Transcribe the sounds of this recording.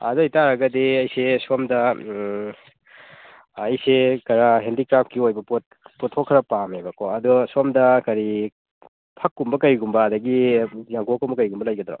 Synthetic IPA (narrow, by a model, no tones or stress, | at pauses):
ɐ̰duijtaɾɐɡɐdiɐjsesomdɐ | jsekɐɾaɦendikɾap̚kiojbɐpot̚potʰokʰːɾɐpamebɐkoɐdusomdɐkɐɾi | pʰɐkːumbɐkɐjɡumbɐːdɐɡijaŋkokumbɐkɐjɡumbɐlɐjɡɐdɾo̰